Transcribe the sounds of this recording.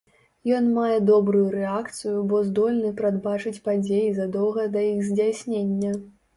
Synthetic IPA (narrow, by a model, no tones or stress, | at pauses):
jɔnmajɛd̪ɔbɾujuɾɛakt̪sɨjubɔzd̪ɔlʲnɨpɾad̪bat͡ʂɨt͡sʲpad͡zʲejizɐd̪ɔwɣɐd̪ɐjiɣzʲd͡zʲasʲnʲenʲːɐ